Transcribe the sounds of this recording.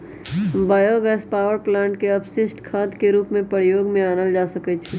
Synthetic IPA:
baːjoɡɛːspaːʋəɾplãːɳʈ̚keɐbʃɪsʈkʰaːd̪keɾuːpmẽpəɾjoːɡmẽaːnəld͡ʒaːsəkət͡ʃʰɛ

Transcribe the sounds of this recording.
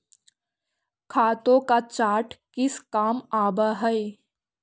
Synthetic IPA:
kʰaːt̪õkat͡ʃaːɾʈkɪskaːmaːbaɦɛe

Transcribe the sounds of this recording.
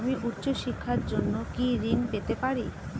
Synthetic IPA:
amiʔutːɕoʃikʰːaɾd͡ʑonːokiɾinpet̪epaɾi

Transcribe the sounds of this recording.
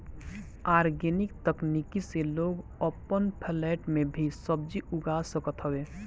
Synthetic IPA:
aːɾɡenɪkt̪əknikiseloːɡɔːpənpʰɛlɛːʈmẽbʱisəb̚d͡ʒiʊɡaːsəkət̪ɦəweː

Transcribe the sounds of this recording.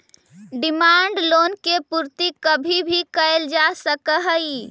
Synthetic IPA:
ɖimaɳɖlonkepuɾt̪ikəbʱibʱikəeld͡ʒasəkəɦəi

